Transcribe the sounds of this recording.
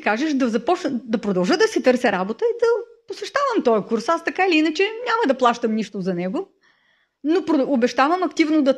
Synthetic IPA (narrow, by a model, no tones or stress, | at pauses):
kaʒɛʃd̪ɐzɐpɔt͡ʃnd̪ɐpɾod̪ɐlˠʒəd̪ɐsit̪ɤɾsʲɛɾabot̪əid̪ɐposɛʃt̪avɐmt̪ɔjɛkuɾsast̪ɐkailiinɐt͡ʃɛnʲamɐd̪ɐplˠaʃt̪əmniʃt̪ozɐnɛɡo | nopɾoʊbɛʃt̪avɐmɐkt̪ivnod̪ɐ